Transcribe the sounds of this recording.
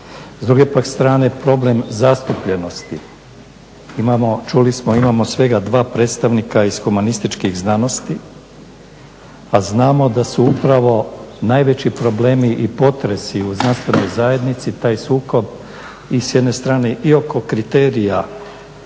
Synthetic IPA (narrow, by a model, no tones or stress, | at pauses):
zd̪ɾuɡe̞pakst̪ɾaːne̞pɾo̞ble̞mzast̪upʎe̞no̞st̪i | imamot͡ʃulismoimaːmo̞sʋe̞ɡad̪ʋaːpɾe̞ːt̪st̪aʋnikaizxumanist̪it͡ʃkiɣznano̞st̪i | aznaːmo̞d̪asuupɾaʋo̞naːjʋe̞t͡ɕipɾo̞ble̞ːmiʔipo̞t̪ɾe̞siuznanst̪ʋe̞no̞jzaːje̞d̪nit̪sit̪aːjsuːko̞b | isjed̪ne̞st̪ɾaːneʔio̞ko̞kɾit̪e̞ːɾija